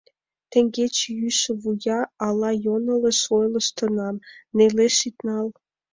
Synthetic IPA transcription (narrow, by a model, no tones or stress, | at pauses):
t̪ĕŋɡet͡ɕjyʃĕβujɑɑlɑjonɤ̆lə̆ʃojlə̆ʃt̪ə̆nɑmneleʃit̪nɑl